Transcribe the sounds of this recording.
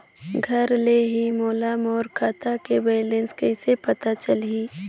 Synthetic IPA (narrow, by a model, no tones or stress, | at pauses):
ɡʱɐɾleːɦimoːlamɔːɾkʰaːt̪akebeːlɪ̃nskɛɪsepɐtp̪at͡ʃəliː